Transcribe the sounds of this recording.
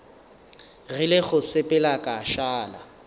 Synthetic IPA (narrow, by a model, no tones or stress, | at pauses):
ɣɪlɪɣʊsɪpʼɛlakʼaʃaːla̰